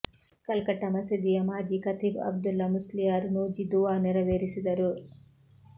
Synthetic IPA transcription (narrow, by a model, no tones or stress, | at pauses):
kɐlkɐʈɐmɐsid̪ijɐmaːd͡ʒikɐt̪ibɐ̰b̚d̪ulːɐmuslijaːɾunud͡ʒid̪uʋaːniɾɐʋeːɾisid̪ɐɾu